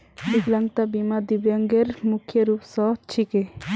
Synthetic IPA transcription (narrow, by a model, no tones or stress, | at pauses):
biklaŋɡt̪abimad̪ibjɔŋɡeɾmukʰjəɾupsɔt͡ʃʰike